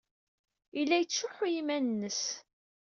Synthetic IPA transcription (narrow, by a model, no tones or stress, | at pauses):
ilːæjət͡sːʊħujimænnːəs